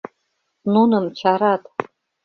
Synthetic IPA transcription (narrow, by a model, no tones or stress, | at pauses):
nunɨmt͡ʃʰaɾat̪ʰʼ